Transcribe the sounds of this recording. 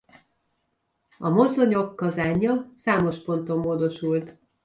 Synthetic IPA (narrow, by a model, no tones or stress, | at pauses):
ɒmo̞zoɲokːɒzaːɲːɒsaːmo̞ʃpo̞n̪t̪o̞mːoːd̪o̞ʃult̪